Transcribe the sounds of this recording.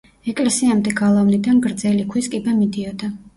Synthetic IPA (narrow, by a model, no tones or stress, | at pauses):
ɛkʼlɛsiamd̪ɛɡalˠavnid̪anɡɾd̪zɛlikʰwiskʼibamid̪iɔd̪a